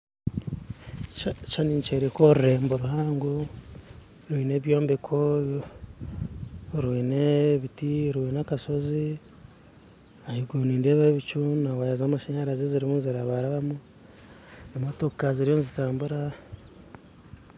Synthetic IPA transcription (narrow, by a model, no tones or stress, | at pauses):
t͡ʃaniɲt͡ʃeɾekoɾuɾe̞ːmboɾuɦaːŋɡo | ɾwiːne̞βjo̞ːmbekʰo | ɾwiːneβitiɾwiːnakaso̞zi | ahiɡoniːndeβaβit͡ʃunawajazamaʃaɲaɾazeziɾimuziɾaβaɾaβamu | emotokaziɾijonzitaːmbuɾa